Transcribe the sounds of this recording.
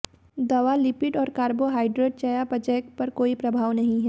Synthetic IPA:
d̪ɐʋalɪpɪɖɔːɾkaːɾboɦaːɪɖɾeːɖ̚t͡ʃajapɐd͡ʒɛːk̚pɐɾkoːipɾɐbʱaːʋnɐɦĩɦɛː

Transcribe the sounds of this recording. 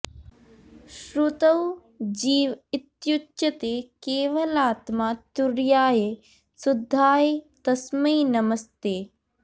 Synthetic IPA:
ʃɾut̪ɐw | d͡ʒiːʋit̪jut͡ʃʃɐt̪ekeːʋɐlaːt̪maːt̪uɾjaːje | sud̪ʱːaːjet̪ɐsmɐjnɐmɐst̪eː

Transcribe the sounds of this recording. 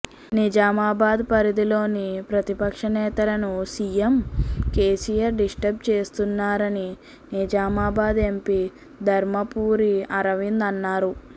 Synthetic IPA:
nid͡ʒaːmaːbaːd̪pɐɾid̪ilo̞ːnipɾɐt̪ipɐkʂɐnɛːt̪ɐlɐnusijemkeːsijɐɾɖisʈɐp̚t͡ʃe̞ːst̪unːaːɾɐni | nid͡ʒaːmaːbaːd̪e̞mpi | d̪ʱɐɾmɐpuːɾiɐɾɐʋind̪ɐnːaːɾu

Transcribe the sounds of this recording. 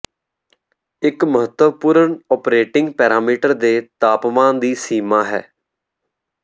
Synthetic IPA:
ɪkməɦət̪əpuːɾəɳɔːpɾeːʈɪ̃ŋɡpɛːɾaːmiːʈəɾd̪eːt̪aːpmãːnd̪iːsiːmaːɦɛ̰ː

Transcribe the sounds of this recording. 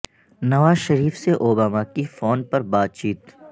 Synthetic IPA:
nɐʋaːzʃɐɾiːfseʔoːbaːmakifoːnpɐɾbaːt̪̚t͡ʃiːt̪

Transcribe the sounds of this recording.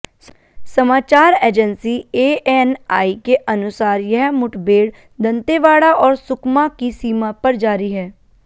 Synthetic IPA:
səmaːt͡ʃaːɾeːd͡ʒənsieːɛnaːikeʔənʊsaːɾjɐɦmʊʈbeːɽ | d̪ə̃nt̪eʋaːɽaʔɔːɾsʊkmakisiːmapɐɾd͡ʒaːɾiɦɛː

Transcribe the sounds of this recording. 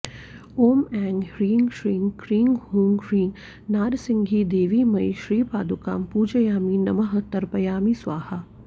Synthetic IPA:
oːmɛ̃ːŋɡɾiːŋɡʃɾiːŋkɾiːŋɡɦũːŋɡɾĩːŋɡ | naːɾsɪ̃ŋɡʱid̪eːʋimɐjʃɾiːpaːd̪uka̰ːmpuːd͡ʒəjaːminɐmɐɦət̪ɐɾpɐjaːmiswaːha

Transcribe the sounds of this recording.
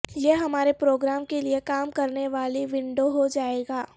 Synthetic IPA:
jeɦɐmaːɾepɾoːɡɾaːmkeliekaːmkɐɾneʋaːliʋɪ̃ɳɖoɦod͡ʒaːeːɡaː

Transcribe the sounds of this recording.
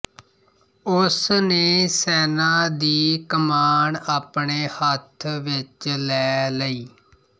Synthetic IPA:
ʊsneːsɛːnaːd̪iːkəmaːɳaːpɳeːhət̪ʰʋɪt͡ʃlɛːləiː

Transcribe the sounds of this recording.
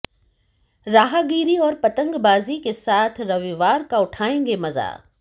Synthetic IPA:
ɾaːɦaɡiːɾiɔːɾpɐt̪ə̃ŋɡbaːzikesaːt̪ʰɾɐʋiʋaːɾkaʊʈʰaːẽːŋɡemɐza̰ː

